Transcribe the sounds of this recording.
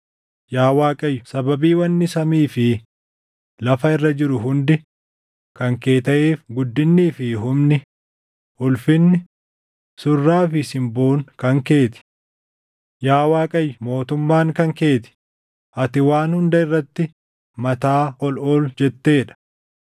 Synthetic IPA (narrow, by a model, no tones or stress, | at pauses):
jaːwaːkʼɐjːʊsɐbɐbiːwɐnːɪsɐmiːfɪ | lɐfɐɪrːɐd͡ʒɪɾʊɦʊnd̪ɪ | kɐŋke̞ːt̪ɐʔeːfɡʊd̪ːɪnːiːfɪɦʊmnɪ | ʔʊlfɪnːɪ | sʊrːaːfɪsɪmbo̞ːŋkɐŋke̞ːt̪ɪ̥ | jaːwaːkʼɐjːʊmo̞ːt̪ʊmːaːŋkɐŋke̞ːt̪ɪ̥ | ʔɐt̪ɪwaːnhʊnd̪ɐɪrːɐt̪ːɪ | mɐt̪aːʔɔlɔld͡ʒɛt̪ːe̞ːᶑɐ̥